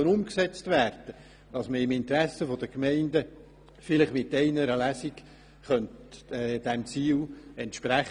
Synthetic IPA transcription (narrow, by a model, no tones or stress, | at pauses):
ənʊmksɛt͡stvæːɾd̥ə | d̥ɑsməɪmɪnt̪ɾæsəfod̥əkmɛɪndə | fɪlɪχmɪtːɛɪnəɾəlæsik | χœntːd̥ɛmt͡siːlɛntʃpɾæχ